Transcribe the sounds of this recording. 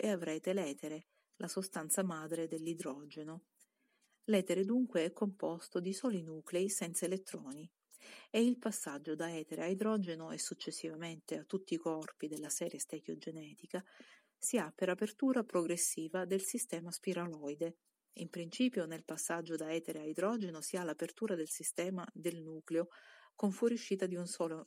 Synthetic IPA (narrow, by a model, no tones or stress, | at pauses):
eavɾɛːt̪elɛːt̪eɾe | lʔasost̪ant̪samaːd̪ɾed̪elːid̪ɾɔːd͡ʒeno | lɛːt̪eɾed̪uŋkweɛkːompɔst̪od̪isɔːlinuːkleisɛnt̪saelet̪ːɾɔːni | eilpasːad͡ʒːod̪aɛːt̪eɾeaid̪ɾɔd͡ʒenoɛsːut͡ʃːesːivament̪eat̪ːut̪ːiːkɔrpid̪elːasɛːɾjest̪ɛkjod͡ʒenɛːt̪ika | siapeɾapert̪uːɾapɾoɡɾesːiːvad̪elsist̪ɛːmaspiɾalɔjd̪e | impɾint͡ʃiːpjonelpasːad͡ʒːod̪aɛːt̪eɾeajd̪ɾɔːd͡ʒenosialːapert̪uːɾad̪elsist̪ɛːmad̪elnuːkleokoɱfwɔɾjuʃːiːt̪ad̪iunsɔːlo